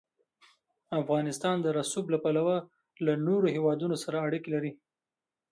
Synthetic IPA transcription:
afɣɑnɪst̪ɑnd̪əɾasublapalawa | lanoɾoɦewɑd̪unosaɾaːɽikelaɾi

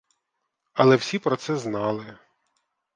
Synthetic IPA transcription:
ɐlˠɛwsʲipɾɔt̪sɛznɑlˠɪ

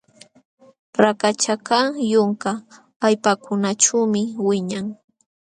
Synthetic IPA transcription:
ɾakat͡ʃakaŋjʊŋkaː | jpakʊnaʈ͡ʂawmɪwɪɲaŋ

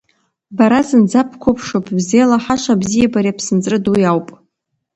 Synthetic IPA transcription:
baɾazɨnd͡zapʰkʷʰʊpʰʂopʼʰbzelaħaʃʷabzijabaɾiapʰsɨnt͡sʼrɨdujawpʼ

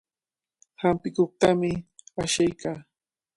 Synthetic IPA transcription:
hampɪkoχt̪amɪaʃajkaː

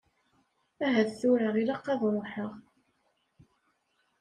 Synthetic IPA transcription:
æɦæðθʊɾaʁilɑqːɑðˤɾˤoħəʁ

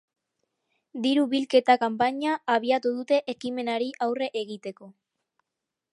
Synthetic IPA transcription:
d̪iɾuβilke̞t̪akampaɲaːβiat̪uð̞ut̪e̞ʔekime̞naɾiʔawre̞ʔeɣit̪e̞ko̞

